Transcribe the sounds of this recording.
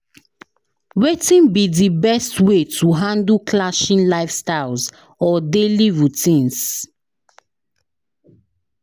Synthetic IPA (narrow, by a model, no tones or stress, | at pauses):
wetĩnbidibɛstwetʰuɦãndlklaʃĩnlaɪfstaɪlz | ɔdeliɹutĩns